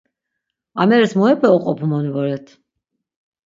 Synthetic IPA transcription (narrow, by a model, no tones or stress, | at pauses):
amɛɾɛsmɔɛpʰɛɔqʼɔpʰumɔnvɔɾɛt̪ʰ